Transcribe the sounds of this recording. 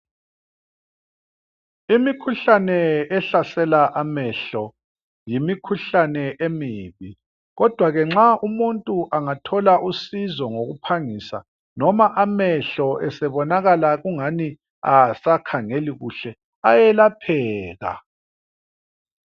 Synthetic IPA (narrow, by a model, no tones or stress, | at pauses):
imikʰuɬanɛɛɬasɛlaʔamɛɬɔ | jimikʰuɬanɛʔemiːβi | ɣɔd̥ʱwaɣɛŋ͡ǁaʔumuntʼuʔaŋatʰɔlaʔusizɔŋoɣupʰaŋisa̰ | nɔmaʔamɛɬɔʔɛsɛβɔnaɣalaɣuŋani | asakʰaŋeliɣṵɬɛ | ajɛlapʰɛːɣa̰